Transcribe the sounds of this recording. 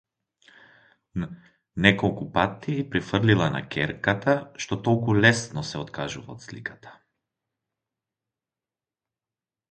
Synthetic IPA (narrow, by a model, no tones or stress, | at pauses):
nɛkɔlˠkupat̪ːipɾifrlilˠana̰kʰʲɛɾkat̪aʃt̪ɔt̪ɔlˠkulɛsnɔsɛɔt̪kʰaʒuvaɔt̪slikḁt̪ʰḁ